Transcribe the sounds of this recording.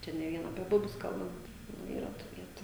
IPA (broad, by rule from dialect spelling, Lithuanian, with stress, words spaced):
ˈt͡ʃʲɛ nʲɛ ˈʋʲiɛn ɐpʲiɛ ˈbʊbʲʊs ˈkɐlˠbɐnt nʊ ˈiːrɐ tuː ˈʋʲiɛtʊ